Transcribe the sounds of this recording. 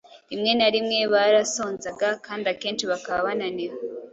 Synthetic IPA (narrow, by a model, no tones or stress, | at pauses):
imŋe̞naɾimŋe̞βaɾaso̞ːnzaɡakaːndiake̞ːnʃiβakaβaβananiβa